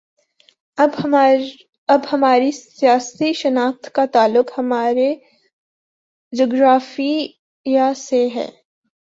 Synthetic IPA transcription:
ɐbhɐmaːɾisijaːst̪iʃɐnaːft̪kat̪aːlːʊqhɐmaːɾe | d͡ʒoːɡɾaːfi | jaseɦɛ̰̃ː

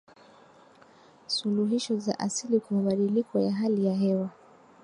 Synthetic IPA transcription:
suluɦiʃɔza̰ʔasilikamaɓaɗilikɔjaɦalijaɦɛwa

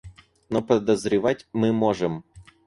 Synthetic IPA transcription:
nopəd̪əzɾʲɪvatʲmɨmoʐɨm

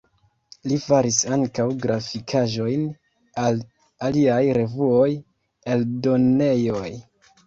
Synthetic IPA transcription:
lifaɾisaŋkawɡɾafikʰaʒo̞jn | al | aliajɾe̞vuo̞j | e̞ldo̞ne̞jo̞j

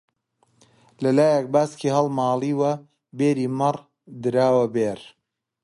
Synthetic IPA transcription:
lɐlaːjɐk̚baːskihɐlˠmɑːlˠiːwɐ | beːɾiːmɐr | d̪ɨɾaːwɐbeːɾ

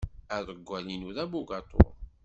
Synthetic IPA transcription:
æðˤəɡʷːælinuðæbuɡɑt̪ˤo̰ɾ

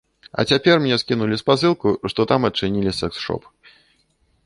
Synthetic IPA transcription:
ɐ̰t͡sʲapʲɛrmnʲɲʲɛskʲinulʲispasɨlˠkuʂt̪ɔt̪amɐt͡ʂɨnʲilʲisɛksʂɔ̰p

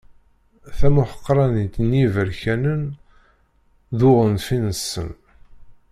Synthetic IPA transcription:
θæmʊħə̥qːɾˤɑnit̪njivəɾçænən | ðʊʁənfinəsːə̰n

